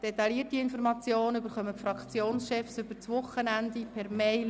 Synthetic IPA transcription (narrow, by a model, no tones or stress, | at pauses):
d̥ɛt̪ɑliətiɪnfɔɾmɑt͡sjoːnəybəɾχœməfɾɑkt͡sjoːnsʃɛfsʏb̥əɾt͡sʋʊχːənænd̪ipʰɛɾmeɪl